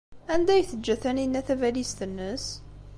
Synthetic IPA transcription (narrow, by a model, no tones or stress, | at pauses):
ænd̪æjθədd͡ʒːæθæninːæθævælist̪ənːəs